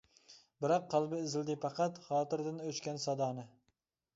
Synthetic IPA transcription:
bɪɾɒqːɑlˠbɪɪzɪld̪ɪpʰɑqʰɑt̪χɒːt̪ɪɾd̪anɵt͡ʃkʲansɒd̪ɑnɪ

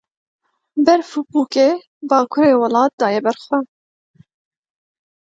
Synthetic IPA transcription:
bɛɾfubuːkeː | bɑːkʰʊɾeːwɑlɑːt̪̚d̪ɑːjɛbɛɾxwɛ

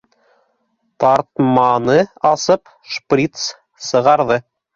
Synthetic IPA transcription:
t̪ɑɾt̪mɑnɤɑsɤp | ʃprʲit̪s | sɤ̆ʁɑɾðɤ

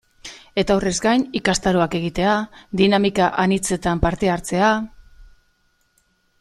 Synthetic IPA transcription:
e̞t̪aore̞zɡajnikast̪aɾoake̞ɣ̞it̪e̞ad̪inamikaʔanit͡se̞t̪ampaɾt̪e̞aɾt͡se̞a

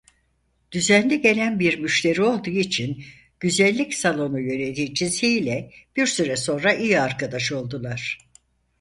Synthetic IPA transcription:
d̪̥yzænlʲɛɟe̞lʲænbiɾmyʃt̪ʲe̞ɾio̞lˠd̪uːit͡ʃʰin | ɟ̥yzælʲːicsalˠo̞nujø̞ned̪it͡ʃʰisiːlʲɛb̥iɾsyɾɛso̞nɾaʔijiaɾkad̪aʃo̞lˠd̪ulˠaɾ̥

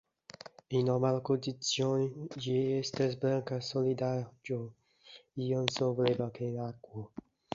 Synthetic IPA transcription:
inɔmalkond̪it̪sjonid͡ʒiest̪esbɾaŋkasolid̪ad͡ʒo | ionsovolevakenakːwo

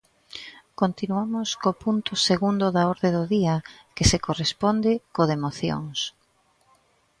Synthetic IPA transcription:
kont̪inuamʊskopunt̪ʊseɣund̪ʊðaoɾðed̪ʊðiɐkesekorespond̪ɪkoðemoθjo̰ŋs

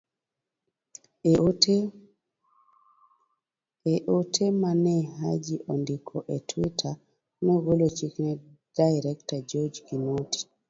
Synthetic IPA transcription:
ɛʔotʰemanɛɦad͡ʒiʔɔndikʰɔʔɛtʰwitʰa | nɔɡolot͡ʃiknɛ | d̥ajɾɛktad͡ʒɔd͡ʒkinoti̥

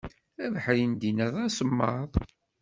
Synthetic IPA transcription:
ævəħɾind̪inəðˤæsəmːɑðˤ

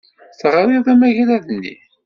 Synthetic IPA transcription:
θəʁɾiðˤæmæʝlæðənːḭ

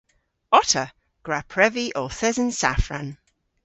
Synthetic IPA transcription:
ɔtʰə | ɡ̥ɹapʰɹɛviʔɔθɛzə̃nsa̰fɹãn

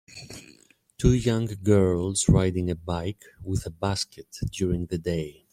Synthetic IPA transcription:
tʰujʌ̃ŋɡɜ˞lˠzɹaɪɾɪ̃ŋɨbaɪk | wɪðəbæskʰɨtd̥jʊɹɪ̃ŋðɨdeɪ

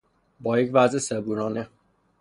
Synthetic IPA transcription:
bɒːjecʰvæzesebuːɾɒːne

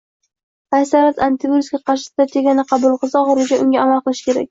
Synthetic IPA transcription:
asaɾat̪ant̪ʰɪboɾskʲaqʰɑɾʃɪsd̪̥at̪ʰʲeɡʲanɪqʰɑbʊlˠqɨzaɒχɒɾɪd͡ʒaʔʊŋɡʲaːmalˠqɨlˠɪʃɪ̥kʲʰe̞ɾa̰k̚ʲ

